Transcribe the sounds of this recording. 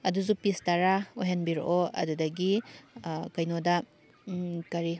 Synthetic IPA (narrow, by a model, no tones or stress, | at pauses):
ɐduzupistɐɾaoɦenbiɾʔoɐ̰dudɐɡi | kɐjnodɐ | kɐɾi